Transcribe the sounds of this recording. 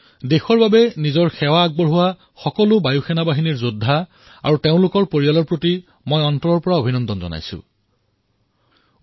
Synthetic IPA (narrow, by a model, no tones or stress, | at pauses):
dexɔɹbabɛnizɔɹxɛwaːɡ̚bɔɹɦʊwa | xɔkɔlʊbajuxɛnabaɦiniɹzodʱːa | a̰ɹuteʊ̃lʊkɔɹpoɹijalɔɹpɹoti | mojɔntɔɹɔɹpɔɹaobʱinɔndɔnzɔ̰na̰jsʊ̰̃